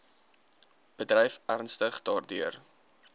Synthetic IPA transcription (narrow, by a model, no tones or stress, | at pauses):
b̥ədrɛjfʔærnstəχdɑːrdyər